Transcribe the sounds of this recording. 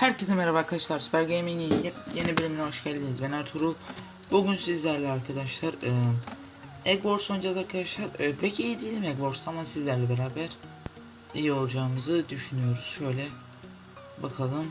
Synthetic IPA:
hæɾcesimeɾavakʰat͡ʃlˠaɾsɯ̥pæɾɟeminijjenibilʲimnʲioʃcælʲːinizvenæɾt̪ʰuɾu | buɟynsizlʲæɾlʲɛaɾkʰad̪aʃlˠaɾɯː | ɛɡbo̞ɾsojnd͡ʒazaɾkʰad̪aʃlˠaɾɯpʰecijid̪ijelʲimɛɡbo̞ɾst̪aamasizlʲæɾlʲɛbeɾaːbæɾ̥ | ijio̞lˠd͡ʒaːɯmɯzɯd̪yʃynyjo̞ɾuz̥ʃø̞jlʲɛ | bakʰalˠɯm

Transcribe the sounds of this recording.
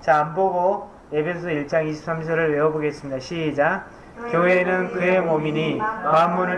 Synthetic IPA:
t͡ɕaːmboɡo | e̞bʰe̞sʰʌiɭt͡ɕ͈aŋiɕ̬ʰi̥p̚s͈ʰamsʰʌɾɯɭwe̞ʌboɡe̞s͈ɯmɲidaɕʰiːd͡ʑa | kjoenɯnkɯe̞momiɲikamːunɯ

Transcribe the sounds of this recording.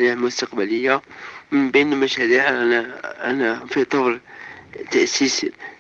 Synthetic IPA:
ɾiʕlmʊst̪aqbæləjːamənbinmæʃæɾiʕæʔænæfit̪ˤɑwɾt̪æʔsis

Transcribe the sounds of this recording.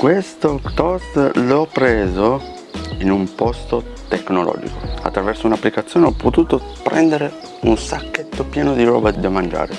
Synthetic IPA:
kwest̪ot̪ɔst̪lɔpːɾeːzo | inumpɔst̪o | t̪ekːnolɔ̰ːd͡ʒḭkoa̰t̪ːɾavɛrsounapːlikat̪sːjoːneɔpʰːot̪uːt̪o | pɾɛ̰nd̪eɾe | unsakːet̪ːopjɛːnod̪iɾɔ̰ːbad̪amand͡ʒa̰ːɾe

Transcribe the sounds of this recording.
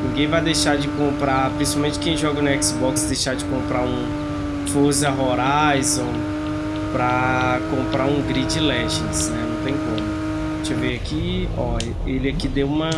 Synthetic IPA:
nĩɡẽj̃vajd̪ejʃad͡ʒɪkõmpɾapɾĩsi̥pawmẽnt͡ʃɪkẽj̃ʒɔɡʊnʊɛksbɔksd̪ejʃad͡ʒɪkõmpɾaũ | foɾs̬ɐɦoɾajzõ | pɾɐkõmpɾaũɡɾid͡ʒɪlɛʒẽsnɛnɐ̃w̃t̪ẽj̃kõmʊ | t͡ʃɪveaki | ɔ | elɪakid̪ewũmɐ

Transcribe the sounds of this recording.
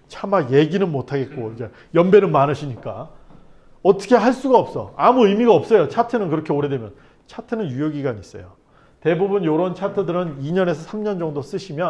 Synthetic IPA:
t͡ɕʰamaje̞ɡinɯnmotʰaɡe̞t̚k͈oid͡ʑe | jʌmbe̞nɯnmanɯɕʰiɲik͈a | ʌt͈ʰʌ̥kʰe̞ɦaɭs͈uɡaʌp̚s͈ʌ̰amuɯjmiɡaʌp̚s͈ʌjot͡ɕʰatʰɯnɯnkɯɾʌkʰeoɾe̞dwe̞mjʌn | t͡ɕʰatʰɯnɯnjujoɡiɡaɲis͈ʌ̰jo | te̞bubunjoɾʌnt͡ɕʰatʰɯdɯɾɯniɲʌne̞sʰʌsʰamɲʌnd͡ʑʌŋdos͈ɯɕʰimjʌn

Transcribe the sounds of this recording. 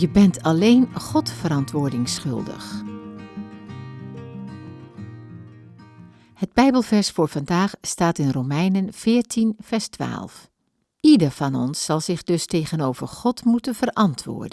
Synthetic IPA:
jəbɛntʰɑlejnχɔtfəɾɑntʋʊːɹdɪŋsχɵ̰lˠdə̰χ | həd̚bɛjbəlˠvɛɹsfʊːɹv̥ɑndaːχstaːtɪnrowmɛjnənv̥ɪːɹtʰinv̥ɛɹstʋa̰ːlˠf | idəɹv̥ɑnɔ̰nsːɑlˠz̥ɪχdɵstejɣənowvəɹχɔtmutənv̥ərʔɑntʰʋʊ̰ːɹdən

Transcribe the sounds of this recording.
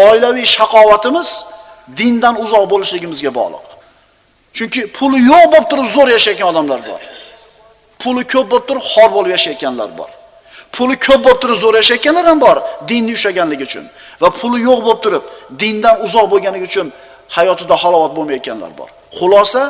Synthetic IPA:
ɒɪlavijʃaqʰɒvat̪ʰɪmɪz̥ | d̪ɪnd̪anʊzɒqbolˠɪʃlɪɡʲɪmɪzɡʲabɒ̰ʁlˠɨ̰q | t͡ʃʰʊŋkʲɪpʰʊlˠɪjoqbop̚t̪ʰʊɾɪpzoɾjaʃajt̪kʲanɒd̪amlaɾbɒ̰ɾ | pʰʊlˠɪkʲʰɵp̚bop̚t̪ʰʊɾɪphɒɾbolˠɪpjaʃajat̪̚kʲʰanla̰ɾbɒ̰ɾ | pʰʊlˠɪkʲʰɵp̚bop̚t̪ʰʊɾɪpzoɾjaʃajat̪kʲanlaɾambɒɾd̪ɪnːɪʊʃaɡʲanlɪɡʲɪʊt͡ʃʰʊ̰nvapʰʊlˠɪjoqbop̚t̪ʰʊɾɪp̚d̪ɪnd̪anʊzɒq̚boɡʲanlɪɡʲɪʊt͡ʃʰʊn | hajɒt̪ʰɪd̪ahɒlˠɒvat̪̚bolmajɒt̪̚kʲʰanla̰ɾbɒ̰ɾ | χʊlˠɒsa

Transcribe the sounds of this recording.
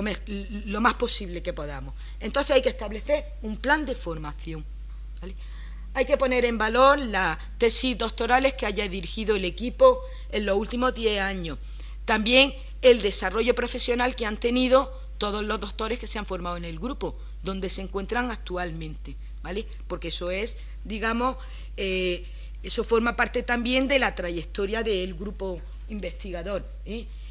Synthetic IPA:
omelo̞mahpo̞siβle̞ke̞po̞ðamo̞s | e̞nt̪o̞nθeajkehst̪aβle̞θe̞ɾ | umpland̪e̞fo̞ɾmaθjo̞ŋ | bale | ajke̞po̞ne̞ɾe̞mbalo̞ɾla | t̪e̞sizd̪o̞k̚t̪o̞ɾale̞hkeaʝaðiɾixiðoele̞kipo̞ | e̞nlo̞sult̪imo̞ɦðje̞haɲo̞h | t̪ambje̞ŋ | e̞ld̪e̞saro̞ʝo̞pɾo̞fe̞sjo̞nalkeant̪e̞niðo̞ | t̪o̞ð̞o̞zlo̞zðo̞kt̪o̞ɾe̞hke̞seaɱfo̞ɾmawene̞lɡɾupo | d̪o̞nd̪e̞se̞ŋkwe̞nt̪ɾaŋak̚t̪ualmẽnt̪e̞ | bale̞ | po̞ɾke̞esoe̞s | d̪iɣamo̞ | e | eso̞fo̞ɾmapaɾt̪e̞t̪ambje̞nd̪e̞lat̪ɾaʝe̞kt̪o̞ɾjaðe̞ːlɡɾupo̞ | imbe̞st̪iɣaðo̞ɾ | e

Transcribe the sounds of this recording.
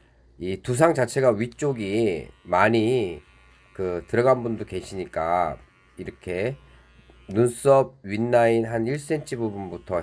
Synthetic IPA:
itus̬ʰaŋt͡ɕat͡ɕʰe̞ɡaɥit͡ɕ͈oɡimaɲi | kɯtɯɾʌɡanbundoke̞ɕʰiɲik͈a̰ | iɾʌkʰe̞ | nuns͈ʌb̚ɥinːainɦaniɭs͈e̞nt͡ɕʰibubunbutʰʌ

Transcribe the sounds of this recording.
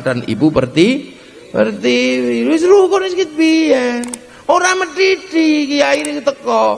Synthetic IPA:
ɖ̥anḭpupərt̪i | pə̰rt̪iwiɾis̬ɾukɔniskit̪̚biɛn | oɾaməɖiɖ̥ikijaiɾikut̪əkɔ

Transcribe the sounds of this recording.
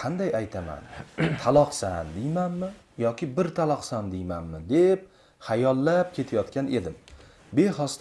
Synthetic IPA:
qʰɑnd̪ajajt̪ʰama̰nt̪ʰalˠɒqsand̪ejmanmɪ | jɒkʲɪbɪɾt̪ʰalˠɒqsand̪ejmanmɪd̪e̞p̚ | hajɒlˠːap̚kʲʰe̞t̪ʰajɒt̪kʲane̞̰d̪ɪm | be̞hɒst̪

